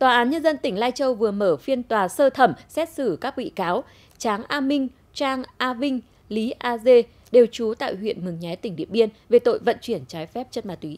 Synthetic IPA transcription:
t̪waː˨˩ʔaː˨˦nɲə˧nzə˧nt̪ï˧˩ŋ̟laː˧jt͡ɕə˧wvɨ˨˩əməː˧˩fi˧ənt̪waː˨˩səː˧t̪ʰə˧˩msɛ˦˥t̚sɨ˧˩kaː˦˥k̚wḭ˧˨kaː˨˦w | t͡ɕaː˨˦ŋʔaː˧mï˧ŋ̟ | t͡ɕaː˧ŋʔaː˧vï˧ŋ̟ | li˨˦ʔaː˧ze˧ | ɗe˨˩wt͡ɕu˨˦t̪a̰ː˧˨jhwḭ˧˨ənmɨ˨˩ŋɲɛ˨˦t̪ï˧˩ŋ̟ɗḭ˧˨əmɓi˧ənve˨˩t̪o̰˧˨jvə̰˧˨nt͡ɕwi˧˩ənt͡ɕaː˨˦jfɛ˦˥p̚t͡ɕə˦˥t̚maː˧˩t̪wi˨˦

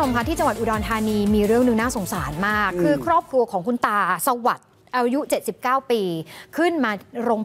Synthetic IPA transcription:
sa˩˦ka˧˦nt̪ʰiː˥˩t͡ɕa˧ŋwa˨˩t̪ʔu˨˩dɔː˧nt̪ʰaː˧niː˧miː˧ɾɯ˥˩əŋnɯ˧˦ŋnaː˥˩so˩˦ŋsaː˩˦nmaː˥˩kʰːɯː˧kʰɾɔː˥˩p̚kɾu˧ɐkʰɔː˩˦ŋkʰu˧nt̪aː˧sa˧wa˨˩t̪̚ | ʔaː˧ju˦˥t͡ɕe˨˩t̪̚si˨˩p̚kaː˥˩wpiː˧kʰɯ˥˩nmaː˧ɾoː˧ŋ

